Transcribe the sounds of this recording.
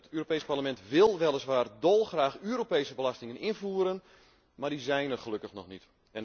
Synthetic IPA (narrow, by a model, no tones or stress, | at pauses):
ətʰøːropeːsparləmɛntʋɪlˠʋɛlˠəsʋaːrdɔlˠxraːxyːɾopeːsəbəlastɪŋənɪnvuːɾən | mardizɛjnərχəlɵkəxnɔxnit | ɛn